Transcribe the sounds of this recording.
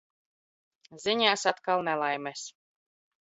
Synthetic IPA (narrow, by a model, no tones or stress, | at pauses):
ziɲaːsat̪kalˠnɛlˠajmɛs